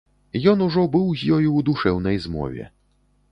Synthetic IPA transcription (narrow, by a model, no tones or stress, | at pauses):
jɔnuʐɔbɨwzʲjɔjuwd̪uʂɛwnɐjzmɔ̰vʲɛ̰